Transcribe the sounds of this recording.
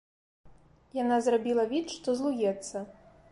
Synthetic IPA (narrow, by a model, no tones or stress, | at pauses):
janazrabʲilˠɐvʲit̪ʂt̪ɔzlˠujɛt̪sːɐ